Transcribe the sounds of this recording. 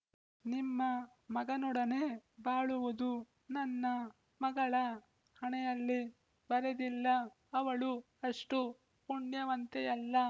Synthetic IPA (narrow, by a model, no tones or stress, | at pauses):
nimːɐ | mɐɡɐnɔɽɐne̞baːɭuʋud̪u | nɐnːɐ | mɐɡɐɭɐ | hɐɳɛjɐlːi | bɐɾɐd̪ilːɐː | ʋɐɭu | ɐʂʈu | puɳːjɐʋɐnt̪eɐlːɐ